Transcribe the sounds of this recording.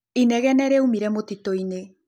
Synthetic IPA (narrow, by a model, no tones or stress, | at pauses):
inɛɣɛnɛɾɛumiɾɛmotitoine